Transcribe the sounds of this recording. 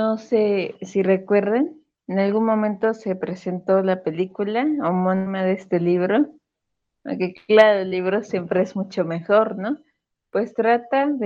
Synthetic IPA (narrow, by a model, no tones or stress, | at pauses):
nosesire̞kwe̞ɾðen | enalɣunmõ̞mẽnt̪o̞se̞pɾe̞se̞nt̪o̞lape̞likulaomonimaðeest̪e̞liβɾo̞ | o̰keklaɾoelːiβɾo̞sje̞mpɾe̞ezmut͡ʃo̞me̞xo̞ɾno̞ | pwe̞st̪ɾat̪að